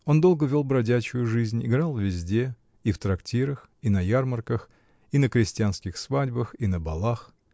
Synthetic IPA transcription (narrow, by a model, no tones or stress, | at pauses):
o̞nd̪o̞lˠɡəvʲo̞lˠbɾɐdʲæt͡ɕʊjʊʐɨzʲnʲɪɡɾalˠvʲɪzʲdʲe̞ | ift̪ɾɐktʲiɾəx | inɐjarmərkəx | inəkɾʲɪsʲtʲɪanskʲɪxsvadʲbəxinəbɐlˠax